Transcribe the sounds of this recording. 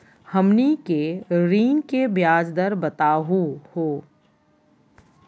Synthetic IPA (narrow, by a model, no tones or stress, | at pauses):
hɐmnikeɾiːŋkebjaːd͡ʒd̪əɾbɐt̪aːɦuhoː